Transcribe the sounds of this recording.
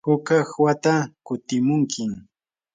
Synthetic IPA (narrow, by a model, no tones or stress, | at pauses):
hʊkahwat̪akʊt̪ɪmʊŋkʰɪm